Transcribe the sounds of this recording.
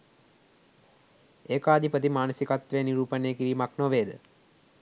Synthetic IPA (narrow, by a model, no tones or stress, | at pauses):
ekaːd̪ʱipət̪̬imaːnəsikat̪ʋeniɾuːpənekiɾiːmaknoʋeːd̪ə